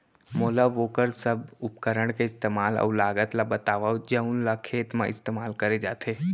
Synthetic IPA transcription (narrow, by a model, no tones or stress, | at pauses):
moːlaʋoːkəɾsəbʊp̚kəɾəɽ̃keɪst̪eːmaːlɔ̰ːlaːɡət̪labɐt̪aːʋaːd͡ʒɐũnlakʰeːt̪mãɪst̪eːmaːlkəɾed͡ʒaːt̪eː